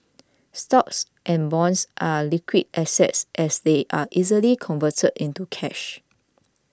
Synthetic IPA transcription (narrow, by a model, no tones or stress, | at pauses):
stɔks | ʔɛ̃nbɔ̃nsʔalikwid̚ɛsɛ̰tsʔɛsdeʔaʔizəlikʰɔ̃nvətʰədĩntukʰɛʃ